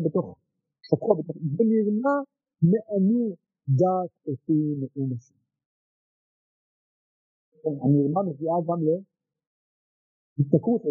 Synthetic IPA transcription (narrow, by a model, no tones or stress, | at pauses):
bet̪oχ | ʃakuabet̪oχzɛniʁma | meʔani | d̪atetimeʔumaʃi | enaniʁmameviaɡamle | hit̪nakut